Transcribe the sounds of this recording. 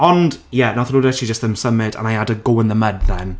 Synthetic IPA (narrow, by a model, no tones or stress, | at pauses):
ɔndjɛnɔθluːdɛʃid͡ʒəstðəmsəmɪda̰najadəɡowə̃nðəmədðɛn